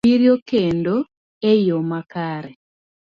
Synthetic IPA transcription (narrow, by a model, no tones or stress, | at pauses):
iɾjokendo | ejomakaɾɛ